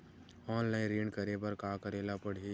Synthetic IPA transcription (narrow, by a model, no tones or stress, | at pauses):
ɔːnlaːɪ̃nɾẽːɳɖkəɾebɐɾkaːkəɾeːlapəɽ̤i